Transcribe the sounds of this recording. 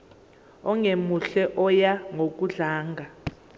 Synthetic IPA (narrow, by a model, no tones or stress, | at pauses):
ɔŋemuɬɛʔɔjaŋok̬ʼuɮaːŋʱa